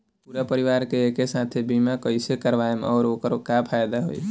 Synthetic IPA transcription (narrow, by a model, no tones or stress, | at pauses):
puːɾapəɾɪʋaːɾkeekesaːt̪ʰebimakəɪsekəɾʋaːemɔːɾoːkəɾkapʰaːjd̪aɦo̰ḭ